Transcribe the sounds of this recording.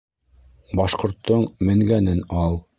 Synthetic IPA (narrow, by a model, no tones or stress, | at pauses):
bɑʃqŏɾt̪ʰːɤɴmɘ̆ŋɡænɘnɑlˠ